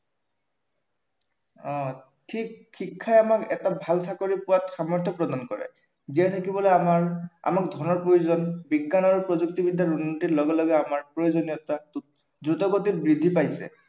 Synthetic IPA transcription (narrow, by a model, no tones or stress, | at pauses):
ɔ̃ | tʰikxikʰːajamakɛtabʱalsakoɹipʊwatxamɔɹtʰɔpɹɔdankɔɹɛ̰ | ziatʰakibɔlɔamaɹa̰mak̚dʱɔnɔɹpɹojuzɔnbiɡːanaɹupɹɔzuk̚tibidʱːaɹunːotitlɔɡɛlɔɡɛamaɹpɹojozɔnijɔta | dɹutɔɡotit̚bɹid̪ʱipajsɛ̰